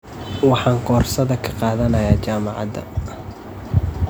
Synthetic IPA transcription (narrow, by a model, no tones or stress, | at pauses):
wɑħɑːŋɡɔːrsɐðɐkʰɐ̥qɑːðɐnɐjaːt͡ʃaːmɑʕɑ̰d̪ɐ̰